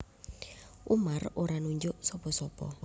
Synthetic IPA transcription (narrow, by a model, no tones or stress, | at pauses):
ʔumaroɾanuɲd͡ʒʊʔsɔpɔsɔpɔ̰